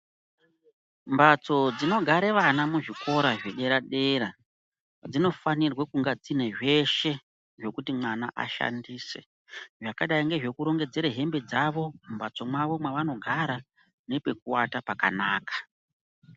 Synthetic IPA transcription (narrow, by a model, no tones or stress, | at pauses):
mbat͡so̞d͡zino̞ɡʱaɾeʋanamuʐiko̞ɾaʐeɗe̞ɾaɗe̞ɾa | d͡zino̞fanirwekuŋɡad͡zine̞ʐe̞ʃe̞ | ʐo̞kutimwanaʔa̰ʃa̰ndiːse̞̰ | ʐakaɗaiŋɡe̞ʐe̞kuɾo̞ŋɡe̞d͡ze̞ɾeɦe̞mbe̞d͡zaʋo̞mbat͡so̞mwaʋo̞mwaʋano̞ɡʱaɾa | ne̞pe̞k̚uwatapaka̰naːkḁ